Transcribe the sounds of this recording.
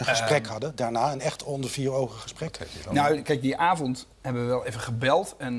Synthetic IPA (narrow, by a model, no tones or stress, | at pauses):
ənχəsrɛkɦɑdədaːɹnaːɛnɛχtɔndəɹviːɹowχəχəsprɛknawkɛjk̚diʔaːvɔnt | ɦhɛbəʋəʋɛlˠejvəχəbɛlˠtɛn